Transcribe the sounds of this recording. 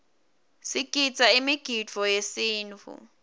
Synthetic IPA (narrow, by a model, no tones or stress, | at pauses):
sikʼit͡sʼaimiɡ̥ʱit͡fɔjesiːnt͡fʰṵ